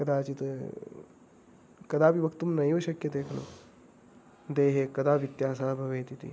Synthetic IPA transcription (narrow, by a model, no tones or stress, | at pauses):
kɐd̪aːt͡ʃit̪ | kɐd̪aːpiʋɐkt̪umnɐjʋɐʃɐkjɐd̪eːkʰɐlo̰ː | d̪eːɦeːkɐd̪aːpit̪jaːsaːbʱɐʋeːt̪it̪ḭ